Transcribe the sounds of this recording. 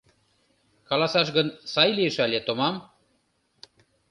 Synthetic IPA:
kɑlɑsɑʃ̬ɣə̆nsɑjliəʃɑlʲet̪omɑm

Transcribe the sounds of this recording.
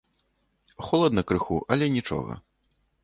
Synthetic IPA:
xɔlˠɐd̪nɐkɾɨxuʔɐlʲɛnʲit͡ʂɔ̰ɣɐ̰

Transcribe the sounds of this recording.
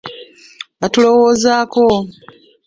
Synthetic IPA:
atulo̞woːzaːko̞

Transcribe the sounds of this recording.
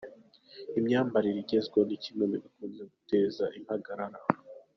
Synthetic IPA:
imɲaːmbaɾiɾiɟe̞zɡwonicimwemiβikuːnze̞ɡuteːzaʔimhaɡaɾaɾa

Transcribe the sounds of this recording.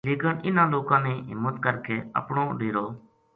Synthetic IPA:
leːkənʔɪnãːloːkãːnẽːɦɪ̰mːət̪kəɾkeːə̰pɳõːɖiːɾoː

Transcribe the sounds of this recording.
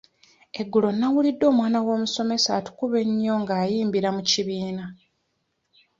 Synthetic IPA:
e̞ɡːulo̞nːawulidːo̞ːmwaːnawo̞ːmuso̞me̞saːtu̥kuβe̞ɲːo̞ŋɡaːjiːmbiɾamuciβiːna

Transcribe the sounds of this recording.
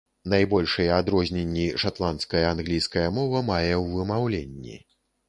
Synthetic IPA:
najbɔlʲʂɨjɛad̪ɾɔzʲnʲenʲːiʂat̪lˠant̪skɐjɐanɣlʲijskɐjɐmɔvɐmajɛwːɨmawlʲenʲːḭ

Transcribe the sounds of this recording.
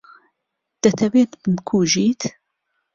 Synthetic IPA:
d̪̥ɐt̪ʰɐveːt̪bɨmkʰuːʒiːt̪

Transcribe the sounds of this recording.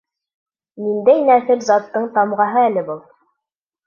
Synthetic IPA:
nind̪æjnæθɘɾzɑt̪ːɤɴt̪ɑmʁɑɦɤælɘ̆bɤlˠ

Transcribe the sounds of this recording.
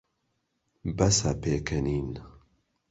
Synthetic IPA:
bɐsɐpeːkʰɐniːn

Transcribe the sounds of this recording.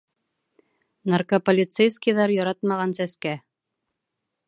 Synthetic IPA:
narkopolʲit̪sejskijðɑɾjɒɾɑt̪mɑʁɑnsæskæ

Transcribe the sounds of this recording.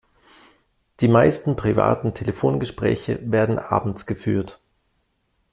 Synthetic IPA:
d̥iːmaɪstn̩pʁ̥iva̰ːtn̩tʰeləfoːnɡəʃpʁ̥ɛ̰ːçə̰veːɐdn̩ʔa̰ːbm̩t͡sɡ̥əfyːɐt

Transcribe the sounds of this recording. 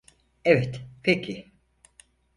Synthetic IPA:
evɛt̪pʰecʰi

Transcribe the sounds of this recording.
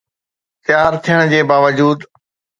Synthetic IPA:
t̪jaːɾt̪ʰijəɽ̃d͡ʑeːbaːʋəd͡ʑuːd̪

